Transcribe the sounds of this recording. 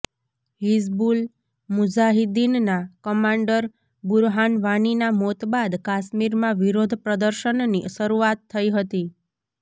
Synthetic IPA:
ɦisbul | mʊd͡ʒaɦid̪innakəmãɳɖəɾ | buɾɦanʋaninamot̪bad̪kaʃmiɾmãʋiɾod̪ʱpɾəd̪əɾʃənniʃəɾuat̪ʰːəiɦət̪i

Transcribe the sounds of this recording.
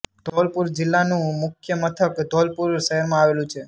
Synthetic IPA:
d̪̥ʱɔlpuɾd͡ʒɪlːanũmʊkʰjəmət̪ʰəkd̪ʱɔlpuɾʃəɦəɾmãaʋelũt͡ʃʰe

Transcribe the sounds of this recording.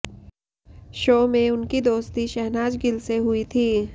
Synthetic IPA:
ʃoːmẽʊnkid̪oːst̪iʃɛɦnaːd͡ʒɡɪlseɦʊit̪ʰiː

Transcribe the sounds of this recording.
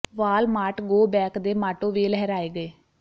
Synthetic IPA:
ʋaːlmaːʈɡoːbɛːkd̪eːmaːʈoːʋeːlɛɦɛɾaːeːɡəeː

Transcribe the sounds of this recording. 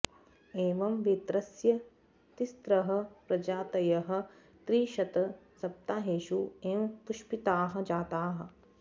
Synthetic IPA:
eːʋɐmʋet̪ɾɐsjɐ | t̪ist̪ɾɐɦɐ̆pɾɐd͡ʒaːt̪ɐjɐɦɐ̆ | t̪ɾiːʃɐt̪ɐsɐp̚t̪aːɦeːʃueːmpuʃpit̪aːɦɐ̆d͡ʒaːt̪aːɦɐ̆

